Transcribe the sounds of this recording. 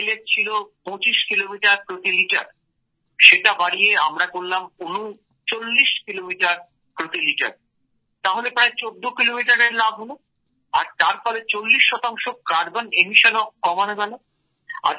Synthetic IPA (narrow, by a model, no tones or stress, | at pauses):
let͡ɕʰilopõt͡ɕiʃkilomiʈaɾpɾot̪iliʈaɾ | ʃeʈabaɽieamɾakolːamunu | t͡ɕolːiʃkilomiʈaɾ | pɾot̪iliʈa̰ɾ | t̪aɦolepɾaet͡ɕod̪ːokilomiʈaɾeɾlabʱɦolo | a̰ɾt̪aɾpɔɾet͡ɕolːiʃːɔt̪aŋʃokaɾbonemiʃonokːɔmaneɡalo | a̰